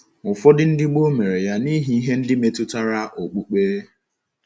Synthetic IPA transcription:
ʊ˨fɔ˦dɪ˦n̩˦dɪ˦ɡ͡bo˦me˨ɾe˨ja˦ni˦ɦi˦i˦ɦe˦n̩˦dɪ˦me˨tʊ˦ta˦ɾa˦ʔo˨k͡pu˦k͡peː˦

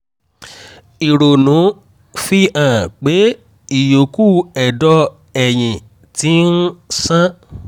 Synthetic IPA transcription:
i˨ɾo˨nũ˨˦ | fi˦ʔã˨k͡pe˨˦ | i˨jo˨ku˦˨ɛ˨dɔ˧ | ɛ˨j̃ĩ˨ | ti˨˦n̩˦sã˦

